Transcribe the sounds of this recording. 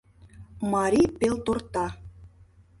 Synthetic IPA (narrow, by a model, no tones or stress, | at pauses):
mɑɾʲipelt̪ort̪ɑ